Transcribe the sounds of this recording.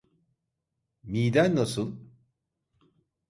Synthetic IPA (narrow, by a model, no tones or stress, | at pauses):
mijd̪ænːasɯn